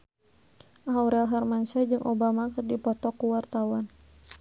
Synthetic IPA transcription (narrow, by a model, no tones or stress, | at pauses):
ɦauɾɛlɦarmansad͡ʒɨŋʔɔbamakɨrdipɔt̪ɔkuwart̪awan